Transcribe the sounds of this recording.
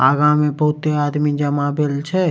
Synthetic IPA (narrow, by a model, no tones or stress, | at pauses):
aːɡãmẽbɐɦʊt̪eaːd̪mid͡ʒəmabelt͡ʃʰɛ